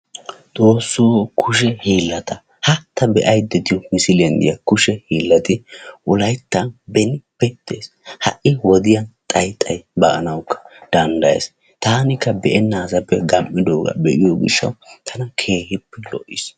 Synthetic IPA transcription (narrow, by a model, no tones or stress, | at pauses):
d̪̥oːsːuːkʰʊʃɛhiːlːɐt̪ɐ | hɐt̪ːɐbɛʔɐjd̪ɛt̪ɪjɔmɪsɪlɛnd̪ɪ̰jɐkʊʃɛhiːlːɐt̪ɪʔʊlɐjt̪ːɐnbɛnɪbɛt̪ːeːs | hɐ̰ʔɪwɔd̪ɪjɐnt̪ʼɐjt̪ʼːɐjbɐʔɐnɐwʊkʰːɐ̥d̪̥ɐnd̪ɐjḛːs | t̪aːnɪkːɐbɛʔɛnːaːsɐpːɛɡɐmʔːɪd̪oːɡɐ̰bɛʔɪjɔɡɪ̰ʃːɐ̰wt̪ʰɐnɐkʰe̞ːhɪpːɛlɔ̰ʔɪs